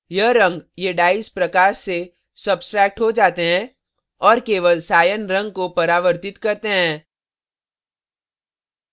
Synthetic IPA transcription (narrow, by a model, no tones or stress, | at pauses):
jɐɾɐ̃ŋɡjeɖaːɪspɾɐkaːɾse | sɐbsʈɾɛːk̚ʈɦod͡ʒaːt̪eɦɛ̃ | ɔːɾkeːʋəlsaːjənɾɐ̃ŋɡ̚kopɐɾaːʋəɾt̪ɪt̪kɐɾt̪eɦɛ̃ː